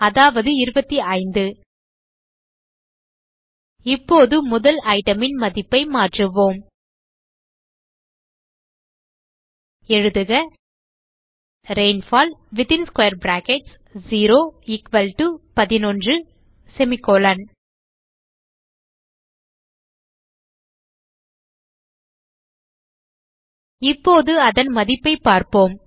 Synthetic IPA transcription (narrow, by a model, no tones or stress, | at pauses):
ɐðaːʋɐðɯɪɾɯbɐt̪ːiɐɪnd̪ɯ | ɪpːoːðɯmʊðɐlɐɪʈɐmɪnmɐðɪpːɐɪmaːʈrɯʋoːm | ɛɻɯðɯɣɐ | ɾeɪnfaːlʋɪt̪ɪnskwɐjɐɾbɾaːkɛʈs | ziːɾoːɪkʋɐlʈupɐðɪnɔndrɯ | sɛmɪkːoːlɐn | ɪpːoːðɯɐðɐnmɐðɪpːɐɪpːaːɾpoːm